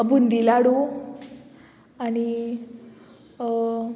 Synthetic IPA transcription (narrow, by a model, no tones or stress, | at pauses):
bund̪ilaɽu | ani